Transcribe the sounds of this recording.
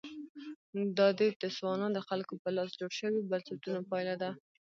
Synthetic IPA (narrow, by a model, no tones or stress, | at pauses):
d̪ɑd̪əd̪əswɑnɑd̪əxalkopəlɑsd͡ʒoɽʃəwibalsat̪unopɑjlad̪a